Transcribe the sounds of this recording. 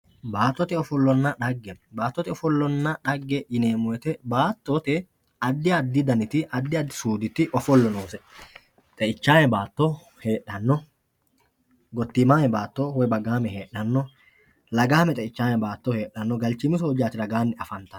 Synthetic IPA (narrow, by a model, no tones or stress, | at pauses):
baːt̪ːɔt̪ɛɔfɔlːɔnːɐᶑɐɡːɛbaːt̪ːɔt̪ɛɔfɔlːɔnːɐᶑɐɡːɛjɪneːmɔjɛt̪ɛbaːt̪ːɔt̪ɛ | ɐd̪ːɪɐd̪ːɪd̪ɐnɪt̪ɪʔɐd̪ːɪɐd̪ːɪsuːd̪ɪt̪ɪʔɔfɔlːɔnoːsɛ | t̪ʼɛʔɪt͡ʃːaːnɛbaːt̪ːo | heːᶑɐnːɔ | ɡɔt̪ːiːmaːnɛbaːt̪ːowɔjbɐɡaːmɛheːɗɐnːɔ | lɐɡaːmɛt̪ʼɛɪt͡ʃːaːnɛbaːt̪ːɔhe̞ːᶑːɐnːɔɡɐlt͡ʃːɪmɪs̬oːd͡ʒaːt̪ɪlɐɡaːnːɪɐfɐnt̪ɐ